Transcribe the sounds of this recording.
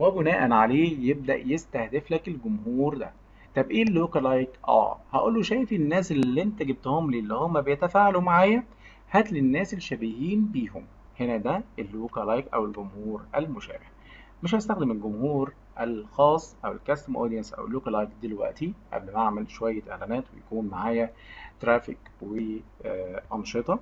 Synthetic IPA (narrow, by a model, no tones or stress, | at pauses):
wæbʊnæːʔænʕaleːjeb̚d̪æ̰ʔjest̪æhd̪eflækelɡʊmhuːɾd̪æ̰ | t̪ˤɑbʔeːlːoːkælɑjkʔæ̰ːhæʔṵːlːoʃæjfinːæːsellːient̪æɡɪb̚t̪homliːlːihomːæbejæt̪æfaːʕalumaʕaːjæ | hæt̪lenːæːselʃæbihiːnbiːhom | henæd̪æʔelːukɑlɑjkʔæ̰welɡʊmhuːɾʔælmoʃæ̰ːbeh | meʃ̬hæst̪æxd̪emelɡʊmhuːɾ | ʔælxɑːsˤːʔæwḛlkæst̪omʔo̰ːd̪ijænsʔæ̰wlːuːklɑjkd̪elwæ̰ʔt̪iʔæ̰blmaʕmælʃowæjːæʔḛʕlænæːt̪wejækuːnmaʕaːjæ | t̪ɾæːfikwe | ʔɑnʃet̪ˤɑ